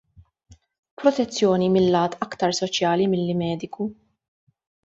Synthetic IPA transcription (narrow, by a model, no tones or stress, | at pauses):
pɾɔt̪ɛt͡sːjɔːnimɪlːɐːt̪ɐkt̪ɐɾsɔt͡ʃjɐːlimɪlːɪmɛːd̪ɪku